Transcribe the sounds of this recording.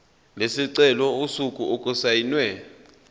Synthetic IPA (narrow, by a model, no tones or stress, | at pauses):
lesiǀɛlɔusukʼuʔokʼusajinwɛ